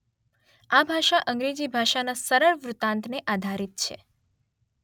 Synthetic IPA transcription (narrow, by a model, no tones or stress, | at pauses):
abʱaʃaʔə̃ŋɡɾed͡ʒibʱaʃanasəɾəɾʋɾut̪ãnt̪neʔad̪ʱaɾit̪̚t͡ʃʰḛ